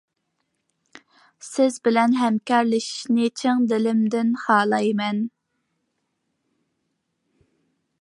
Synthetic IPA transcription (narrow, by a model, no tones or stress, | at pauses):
sɪzbɪlɛnɦɛmkʲɑɾlɪʃi̥ʃnɪt͡ʃʰeŋd̪ɪlɪmd̪ɪnχɑːlˠɑjmɛn